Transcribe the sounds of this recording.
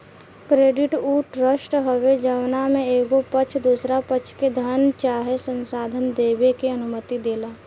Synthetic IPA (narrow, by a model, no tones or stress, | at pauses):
kɾeːɖɪʈuːʈɾəsʈɦəʋed͡ʒəʋnamẽeːɡopət͡ʃʰd̪uːsɾapət͡ʃʰked̪ʱənt͡ʃaːɦesə̃nsaːd̪ʱənd̪eːbekeənʊmət̪id̪eːlaː